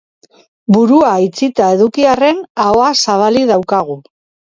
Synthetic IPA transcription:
buɾuait͡sit̪ae̞ðukiare̞naoasaβ̞aliðawkaɣ̞u

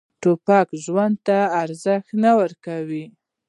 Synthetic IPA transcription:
ʈopɑkʒwand̪̚t̪aːɾzəxt̪nawəɾkawi

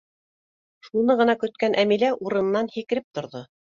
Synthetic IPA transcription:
ʃunɤʁɤ̆nɑkɵ̆t̪̚kænʔæmilæʔuɾɤ̆nɤ̆nːɑnhikɘ̆ɾɘp̚t̪ŏɾðo

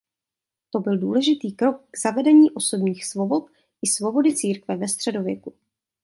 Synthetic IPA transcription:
t̪o̞bɪlduːlɛʒɪt̪iːkɾo̞k̚ɡz̥avɛdɛɲiːʔo̞so̞bɲiːxsvo̞bo̞t̪̚ | ʔɪsvo̞bo̞dɪt͡siːɾkvɛvɛst̪r̝̥ɛdo̞vjɛku

